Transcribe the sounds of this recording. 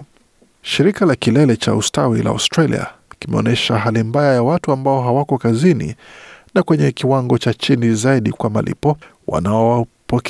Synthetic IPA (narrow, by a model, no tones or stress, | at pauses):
ʃiɾikalakilɛlɛt͡ʃa̰ustawila̰a̰stɾalḭa̰kimɛɔ̰nɛʃaɦalimbajajawatuambaɔɦawakɔkazinḭnakwɛɲɛkiwaŋɡɔt͡ʃat͡ʃinizaiɗikwama̰lḭpɔ | wʔa̰naɔwapɔk